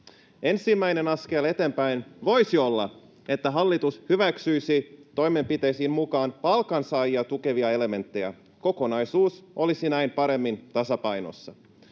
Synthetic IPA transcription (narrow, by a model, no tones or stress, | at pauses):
e̞nsimːæjne̞nɑskele̞t̪e̞mpæjnʋo̞jsiolːɑ̰ | e̞t̪ːæɦɑlːit̪ushyʋæksyjsit̪o̞jme̞mpit̪e̞jsiːnmukɑːnpɑlkɑnsɑːjiɑt̪uke̞ʋiɑe̞le̞me̞nt̪ːe̞jæ̰ | ko̞ko̞nɑjsuːsʔo̞lisinæimpɑɾe̞mːint̪ɑsɑpɑjno̞̰sːɑ